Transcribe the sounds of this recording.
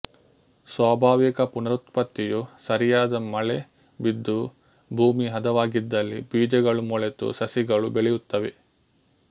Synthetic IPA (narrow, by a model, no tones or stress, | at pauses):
swaːbʱaːʋikɐpunɐɾut̪pɐt̪ːijusɐɾijaːd̪ɐmɐɭe | bid̪ʱːu | bʱuːmiɦɐd̪ɐʋaːɡid̪ːɐlːibiːd͡ʒɐɡɐɭumuɭet̪ṵsɐsiɡɐɭubeɭɛjut̪ːɐʋe